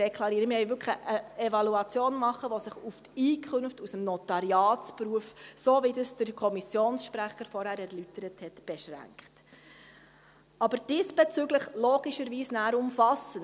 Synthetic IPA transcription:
ɛkʰlˠɑɾiːɾəmɪhɛɪvʏkʰχəʔəɛvɑluɑt͡sjoːnmɑχːəʋɔsɪχuftiːkʰɵnftusəmnɔtɑɾjɑːtspɾuəfsoːvidəsd̥əɾkʰɔmisjoːnsʃpɾæχəɾfɔɾhæːɾæɾlytəɾəthɛtb̥ɛʃɾæ̰ŋkχt | ɑbəɾd̥isb̥ɛt͡syɡləχlɔːɡ̥iʃəɾʋiːsnæːɾʊmfɑsən

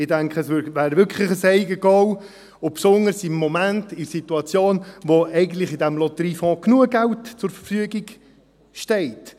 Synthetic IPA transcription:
ɪdæŋkχəsʋʏvæːɾvʏkʰχlɪχəsɛɪɡəɡ̥ɔw | ʊpsʊnəɾsɪmːɔmæntɪsituɑt͡sjoːnʋoʔɛɪɡən̩t̪lɪχɪdɛmlɔt̪əɾiːfɔ̃ːknuəɡ̥ɛltt͡sʊɾfəɾfyəɡiɡ | ʃtɛɪt

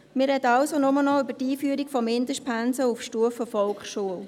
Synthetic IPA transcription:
mɪrːɛd̪əɑʊsonʊmənɔybətiːfyəɾikfɔmɪnd̪əʃpʰænsəufʃtuəfəfɔlkχʃuəl

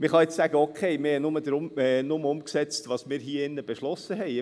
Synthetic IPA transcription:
mɪχɑɪt͡ssæɡ̥əɔkʰɛɪmɪhɛnʊməd̪ɾʊmɛnʊməʊmksɛt͡stʋɑːsmɪːɾɦiːɪnːəb̥eʃlɔsəɦɛɪ

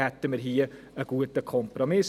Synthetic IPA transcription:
hɛt̪ːəmɪɾɦiː | əɡ̥uːəd̪əkʰɔmpɾɔmɪs

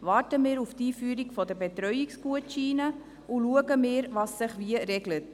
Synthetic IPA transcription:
vɑːɾtəmɪːɾuftiːfyːɾikfɔdəbɛtɾœʏiksɡuətʃiːnə | uluəɡəmɪːɾvɑsːɪχviəɾɛɡlət

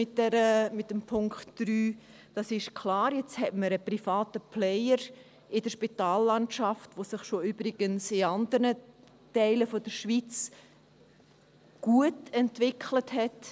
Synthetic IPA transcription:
mɪtdɛɾəmɪt̚ːəmpʰʊŋkχtd̥ɾyː | d̥ɑsɪʃkʰlɑːɾjɛt͡shɛtməɾəprifɑːtəplɛɪəɾ | ɪdəɾʃpitɑːlːɑntʃɑftʋosɪχʃoʏbɾɪɡ̥ənsɪɑndəɾnə | tɛɪləfɔd̥əɾʃʋit͡s | ɡ̥uətɛntvɪkʰləthɛt

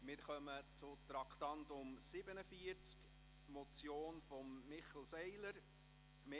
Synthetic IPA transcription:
mɪɾχœmət͡sʊt̪ɾɑkt̪ɑntʊmsɪbənəfiəɾt͡sk | mɔt͡sjoːnfɔmːɪχl̩sɛɪləɾ | me

